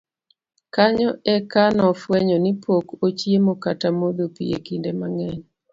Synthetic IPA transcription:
kaɲɔɛkanɔfwɛɲɔnipʰokot͡ʃjemokatamod̪opḭjḛkindemaŋɛɲ

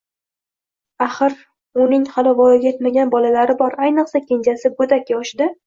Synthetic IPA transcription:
aχɨɾ | ʊnɪŋhalɪvɒjɪɡʲaet̪maɡʲanbɒlalaɾɪbɒɾajnɨqsakʲend͡ʒasɪbod̪akʲːɒʃd̪ɪ

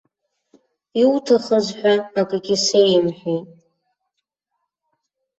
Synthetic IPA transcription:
iwtʰaχəzħʷᶣaakʼaɡʲisejmħʷᶣit

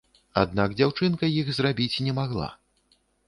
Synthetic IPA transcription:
a̰d̪̚naɡd͡zʲawt͡ʂɨnkɐjiɣzrabʲit͡sʲnʲɛmaɣlˠa̰

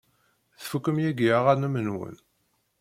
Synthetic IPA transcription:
θfukːəmjæɡiaʁanəmənwə̰n

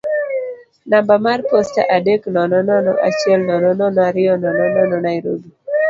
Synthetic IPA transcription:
nambamarposta̰ʔadeknɔnɔnɔnɔ̰ʔat͡ʃjɛlnɔnɔnɔnaɾɪɔnɔnɔnɔnɔnajɾo̰bi

